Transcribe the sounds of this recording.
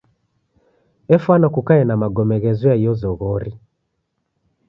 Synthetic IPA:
ɛfwanakukaɛnamaɡɔmɛɣɛzɔaiɔzɔɣɔɾi

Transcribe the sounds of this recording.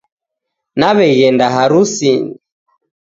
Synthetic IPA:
naβɛɣɛndaɦaɾusini

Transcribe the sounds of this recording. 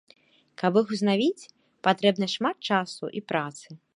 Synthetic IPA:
kɐbɨxuznavʲit͡sʲ | pat̪ɾɛbnɐʂmat̪̚t͡ʂasṵʔipɾat̪sɨ

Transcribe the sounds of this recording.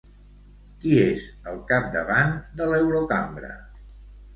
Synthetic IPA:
kiezəlˠkap̚d̪əβand̪əlɛwɾokambɾə̰

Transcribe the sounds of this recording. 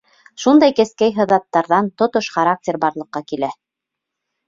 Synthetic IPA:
ʃund̪ɑjkɘ̆skæjɦɤ̆ðɑt̪ːɑɾðɑnt̪ŏt̪oʃχaɾak̚tʲeɾbɑɾlˠɤ̆qːɑkilæ

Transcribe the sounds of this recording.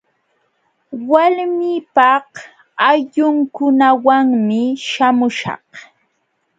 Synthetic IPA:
walmiːpɑh | aʎʊŋkʊnawaŋmɪʃamʊʃɑ̰h

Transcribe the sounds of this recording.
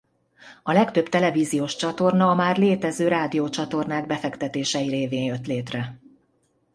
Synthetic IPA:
ɒlɛkt̪ø̞bt̪ɛlɛviːzijoːʃt͡ʃɒt̪o̞rnɒmaːrleːt̪ɛzøːɾaːd̪ijoːt͡ʃɒt̪o̞rnaːɡ̚bɛfɛkt̪ɛt̪eːʃɛjiɾeːveːnjø̞t̪leːt̪rɛ

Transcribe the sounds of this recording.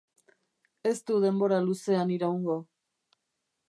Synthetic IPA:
e̞st̪uðe̞mbo̞ɾaluse̞aniɾauŋɡo̞

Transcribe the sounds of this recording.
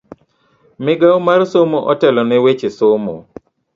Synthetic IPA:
mɪɡaɔmarsomoʔɔtɛlɔnɛwet͡ʃesomo̰

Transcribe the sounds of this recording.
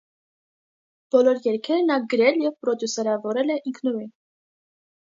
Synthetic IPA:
b̥ɔlɔɾjɛɾkʰɛɾnɑɡəɾɛljɛvpɾɔd̪jusɛɾɑvɔɾɛlɛʔiŋkʰnuɾin

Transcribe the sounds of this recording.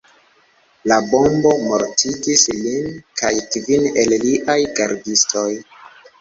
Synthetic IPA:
labombo̞moɾtʰiɡislinkʰajkvinelliʔajɡaɾdistoj

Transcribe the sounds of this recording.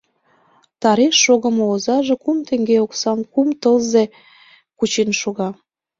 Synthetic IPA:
t̪ɑɾeʃːoɣə̆moozɑʒekumt̪eŋɡeoksɑmkumt̪əlze | kut͡ɕenʃoɣɑ

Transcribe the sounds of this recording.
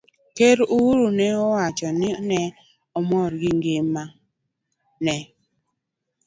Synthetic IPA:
keɾuwuɾunɛɔwat͡ʃɔnɛnɛ | ɔmɔɾɡiŋɡema | nɛ

